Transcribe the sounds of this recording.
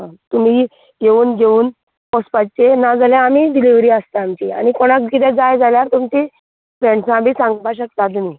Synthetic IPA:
ɦãt̪um̤i | ɡeuːnɡeuːn | pɔspat͡ɕenad͡zaljãːmiːɖiliʋɾiːəst̪aamt͡ɕia̰ñikoɽ̃akkit̪ɛ̃d͡zajd͡zaljaɾt̪umt͡ɕi | pɾeɳsãbʱiːsãŋɡbaɕəkt̪at̪um̤iː

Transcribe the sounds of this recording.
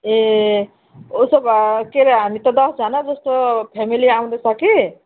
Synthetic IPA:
e | usʌbkeɾɦamit̪ʌd̪ʌsd͡zʌnad͡zʌst̪opʰemiliaw̃d̪ʌsʰʌki

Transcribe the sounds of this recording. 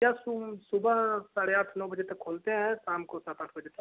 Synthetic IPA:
jassʊbəsaːɽeaʈʰnɔːbəd͡ʒet̪ɐkʰːoːlt̪eɦɛ̃saːmkosat̪aʈʰbəd͡ʒet̪ʰ

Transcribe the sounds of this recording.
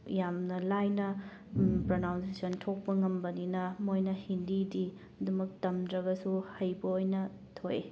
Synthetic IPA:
jamnɐlajnɐ | pɾonawnsesɐntʰok̚pɐŋɐmbɐninɐmojnɐhindidi | ɐdumɐk̚tɐmdɾɐɡɐsuhɐjbɐojnɐ | tʰoje

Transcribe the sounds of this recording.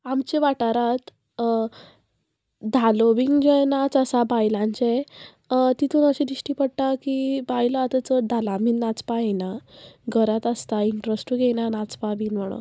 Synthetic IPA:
amt͡ɕeʋaʈaɾat̪ | d̪ʱaloʋiŋɡd͡ʑejnat͡səsabajlãɲt͡ɕe | t̪it̪ʰuːnəɕĩd̪iɕʈiːpəɽʈakibajlat̪ət͡səd̪ʱalamiːnːat͡spaenaɡʱəɾat̪ast̪aiɳʈɾəsʈuɡenanat͡spabiːnm̤əɽ̃o̰

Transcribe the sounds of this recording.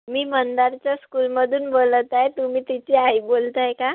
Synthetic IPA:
miːmənd̪aɾt͡ɕjaskulməd̪ʱuːnbolət̪ajt̪umiːt̪it͡ɕiaibolt̪ajeka

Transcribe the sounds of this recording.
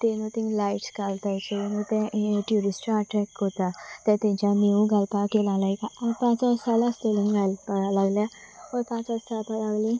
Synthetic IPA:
t̪enũt̪inlajʈsɡalt̪ajt͡ʃʰeenũt̪ẽʈjuɾisʈaaʈɾɛkːot̪at̪ãt̪ẽnt͡ʃaniũɡalp̪akelãlajkãapãt͡sasalast̪elãnɡalpaɽalaɡlja | opãt͡sassalpaɾaɡlĩ

